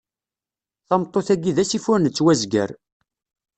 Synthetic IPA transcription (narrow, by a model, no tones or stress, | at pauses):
θɑmt̪ˤːoθæɡiðæsifʊɾnət͡sːwæzɡə̰ɾ